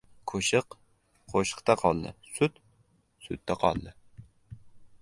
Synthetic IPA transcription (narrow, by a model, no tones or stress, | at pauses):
kʰoʃɨq | qʰoʃqt̪ɛqʰɑlˠd̪ɨ̰sut̪ | sṵt̪ʰːɛqʰɑ̰lˠd̪ɨ